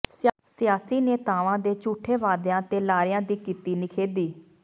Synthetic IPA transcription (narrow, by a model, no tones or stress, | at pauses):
s | sɪjaːsiːneːt̪aːʋãːd̪eːt͡ʃuːʈʰeːʋaːd̪jãːt̪eːlaːɾɪjãːd̪iːkiːt̪iːnɪkʰeːd̪iː